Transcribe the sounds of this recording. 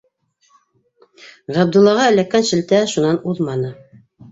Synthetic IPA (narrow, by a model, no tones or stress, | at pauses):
ʁæb̚d̪ulˠːɑʁɑæ̆lækːænʃɘ̆lt̪æʃunɑnuðmɑnɤ